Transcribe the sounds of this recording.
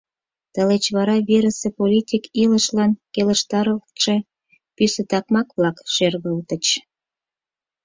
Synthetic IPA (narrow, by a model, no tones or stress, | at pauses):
t̪əlet͡ɕβɑɾɑβeɾəsepolʲitʲikiləʃlɑnkeləʃt̪ɑɾəlt̪ʃe | pysə̆t̪ɑkmɑkβlɑkʃerɣəlt̪ət͡ɕ